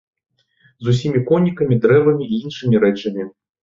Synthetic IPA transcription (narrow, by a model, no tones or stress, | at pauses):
zus̬ʲimʲikɔnʲikɐmʲid̪ɾɛvɐmʲiːinʂɨmʲiɾɛt͡ʂɐmʲi